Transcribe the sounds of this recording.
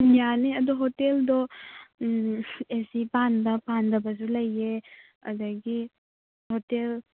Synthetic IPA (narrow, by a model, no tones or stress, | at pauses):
janiɐd̪ɔɦoteldɔ | esipanbɐpandɐbɐzulɐjːe | ɐ̰d̪ɐɡi | hotel